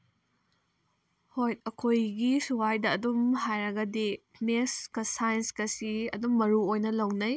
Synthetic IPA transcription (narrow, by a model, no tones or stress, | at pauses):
hojt̚ɐkʰojɡisuwajdɐːdumɦajɾɐɡɐdi | mekskɐsajnskɐsiɐ̰dumːɐɾuojnɐlɐwnɐj